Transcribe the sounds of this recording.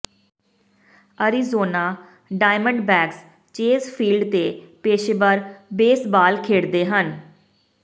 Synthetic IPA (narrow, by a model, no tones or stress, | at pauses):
əɾiːzoːnaː | ɖaːɪməɳɖbɛːks | t͡ʃeːzpʰiːlɖt̪eːpeːʃeːbəɾbeːsbaːlkʰeːɽd̪eːɦən